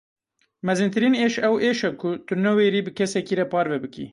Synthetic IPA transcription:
mɛzɨnt̪ʰɨɾiːneːʃɛwʔeːʃɛkʰʊt̪unɛweɾiːbɨkʰɛsɛkiːɾɛpɑːɾvɛbɨkḭ

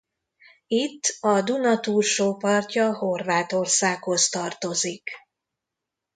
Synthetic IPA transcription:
it̪ːɒd̪unɒt̪uːrʃoːpɒrcɒho̞rvaːt̪o̞rsaːkho̞st̪ɒrt̪o̞zik

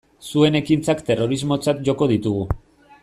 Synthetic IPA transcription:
sue̞ne̞kint͡sakt̪e̞ro̞ɾizmo̞t͡sat̪ʝo̞ko̞ð̞it̪uɣu

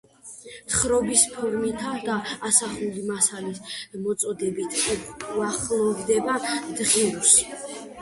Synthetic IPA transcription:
t̪ʰχɾɔbispʰɔɾmit̪ʰad̪aːsaχulimasalismɔt̪sʼɔd̪ɛbit̪ʰuaχlˠɔvd̪ɛbad̪̥ʁiɾusi̥

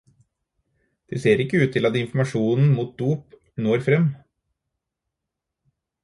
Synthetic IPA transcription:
d̪̥eːseːɾɪkːəʉːt̪ʰɪlɑd̪eːɪnfmɑʂuːnn̩muːt̪̚d̪uːp | noːɾfɾɛm

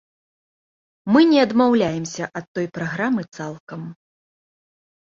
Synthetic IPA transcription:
mɨnʲɛɐd̪mawlʲajɛmsʲɐʔɐt̪ːɔjpɾaɣɾamɨt̪salˠkɐm

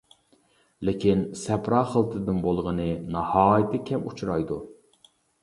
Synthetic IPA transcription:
lɪkʲʰinsɛpɾɑːχəlˠt̪ʰɨd̪ɨnbolˠʁənɨnɑhɑːjɪt̪ʰɪkʲʰɛmut͡ʃʰuɾɑjd̪u

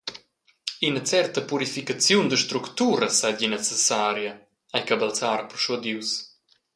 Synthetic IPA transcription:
inət͡sɛrt̪əpuɾifikat͡sjund̪əʃt̪ɾukt̪uɾəsaɟinɛt͡sɛsaɾja | ajkabalt͡saɾpɾʃud̪iws

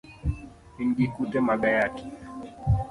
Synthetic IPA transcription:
inɡikutɛmaɡajati̥

